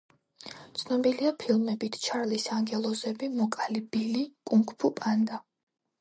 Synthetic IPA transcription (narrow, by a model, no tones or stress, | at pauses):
t̪sʰnɔbiliapʰilˠmɛbit̪ʰt͡ʃʰaɾlisaŋɡɛlˠɔzɛbimɔkʼalibilikʼuŋkʰʼpʰupʼand̪a